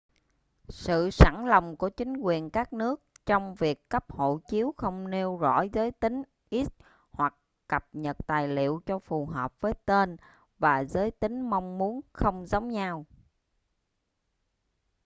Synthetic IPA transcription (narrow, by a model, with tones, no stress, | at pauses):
sɨ̰˧˨sa˧˩nlə˨˩wŋ͡mku˧˩ət͡ɕï˨˦ŋ̟kwi˨˩ənkaː˦˥k̚nɨ˦˥ək̚t͡ɕɔ˧wŋ͡mvi˨˩əkːə˦˥p̚ho̰˧˨t͡ɕi˨˦əwxə˧wŋ͡mne˧wzɔ̰˧˥zəː˨˦jt̪ï˨˦ŋ̟ | ʔi˦˥t̚ | hwa˨˩k̚ː | kə˨˩p̚ɲə˨˩t̚t̪aː˨˩jlḭ˧˨əwt͡ɕɔ˧fu˨˩ɦəː˨˩p̚vəː˨˦jt̪e˧n | vaː˨˩zəː˨˦jt̪ï˨˦ŋ̟ma˧wŋ͡mmu˨˦ənxə˧wŋ͡mzə˨˦wŋ͡mɲaː˧w